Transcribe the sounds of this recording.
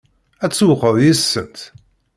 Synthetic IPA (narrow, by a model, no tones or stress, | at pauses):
æt͡sːwəqːəðjisːənt̪